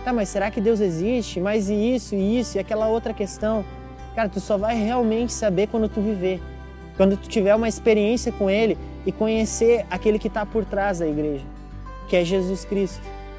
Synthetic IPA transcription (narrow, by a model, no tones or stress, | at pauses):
t̪amɐsːeɾakɪd̪ewzezist͡ʃɪmɐzɪisʊɪisʊɪakɛlɐowt̪ɾɐkest̪ɐ̃w̃ | kaɾɐt̪usɔvajheawmẽnt͡ʃɪ̥sabekwɐ̃nd̪ʊt̪uvive | kwɐ̃nd̪ʊt̪u̥t͡ʃivɛɾũmɐispeɾiẽsijɐkõelɪ | ɪkõɲeseɾakelɪkɪt̪apoɾt̪ɾazd̪ɐiɡɾeʒɐ | kɪɛʒezuskɾist̪ʊ